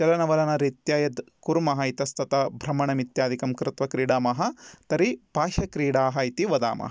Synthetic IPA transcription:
t͡ʃɐlɐnɐʋɐlɐnɐɾit̪jaːjɐd̪ | kuɾmɐɦɐit̪ɐst̪ɐt̪ɐbʱɾɐmɐɳɐmit̪jaːd̪ʱikɐmkɾɪt̪ʋɐkɾiːɽaːmɐɦɐt̪ɐɾib̥ʱaːʃɐkɾiːɽaːɦɐit̪iʋɐd̪a̰ːmɐ̰ɦɐ

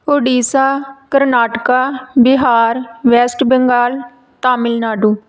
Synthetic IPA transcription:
oːɖiːsaːkəɾnaːʈkaːbɪɦaːɾʋɛːsʈbəŋɡaːl | t̪aːmɪlnaːɖuː

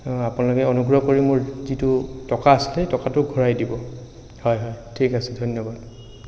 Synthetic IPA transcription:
apʊnalʊkɛɔnuɡɹɔkoɹimʊɹzitʊtɔkaːsi̥lɛtɔkatʊɡʱɔɹajdibɔ | hɔjɦɔjtʰikasɛdʱonjɔbad

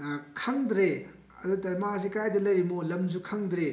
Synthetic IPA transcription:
kʰɐŋdɾe | ɐ̰dutɐmas̬ikajdɐlɐjmolɐmzukʰɐŋdɾe

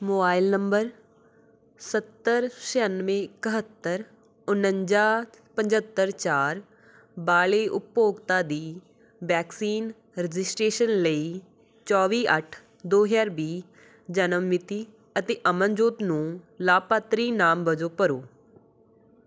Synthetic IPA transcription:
moːbaːɪlnəmbəɾ | sət̪ːəɾʃɛənʋẽːkəɦət̪ːəɾ | ʊnə̃ɲd͡ʒaː | pəɲd͡ʒət̪ːəɾt͡ʃaːɾ | baːɭeːʔʊpːoːɡt̪aːd̪iː | ʋɛːksiːn | ɾɪd͡ʒɪsʈɾeːʃənləiː | t͡ʃɔːʋiːʔəʈʰ | d̪oːɦaːɾbiː | d͡ʒənəmːɪt̪iː | ət̪eːʔəmənd͡ʒoːt̪nũːlaːpaːt̪ɾiːnaːmbəd͡ʒoːpəɾoː

